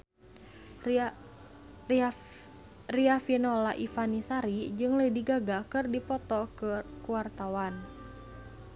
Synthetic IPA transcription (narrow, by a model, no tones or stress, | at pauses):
riafinɔlaʔifanisaɾid͡ʒɨŋlədiɡaɡakɨrdipɔt̪ɔkəkuwart̪awan